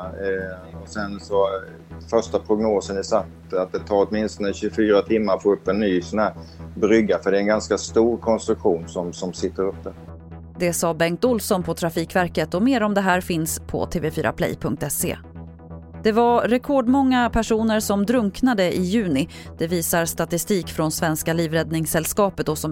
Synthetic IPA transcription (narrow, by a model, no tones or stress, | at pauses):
ɔsɛnsɔ | fœʂʈapʰɾʊɡnoːsənɪsat̪ | at̪̚d̪ɛt̪ʰɑːɾɔt̪mɪnst̪ɔnəɕɵɡfyːɾat̪ʰɪmːaɾfoːɵpːɛnːyːsɔnhæːɾbɾʏɡːafœɖɛɛnɡanskast̪uːɾkʰɔnst̪ɾɵkɧuːnsɔmsɔmsɪt̪ːəɾɵpːə | d̪ɛsɑːbɛŋkt̪ʊlsɔnpʰɔt̪ʰɾafiːkvæɾkət̪ɔmeːɾɔmd̪ɛɦæːɾfɪnspʰɔ̰t̪ʰeːvefyːɾa̰pʰlɛ̰jpʰɵŋk̚t̪ɛsḛː | d̪̥ɛvaɾɾɛkʰɔːɖmɔŋːapʰæʂuːnəɾsɔmd̪ɾɵŋknad̪əʔɪjʉ̟ːnɪ | d̪̥ɛviːsaɾst̪at̪ɪst̪iːkfɾɔnsvɛnskaliːvɾɛd̪nɪŋsɛlskɑːpət̪ɔsɔ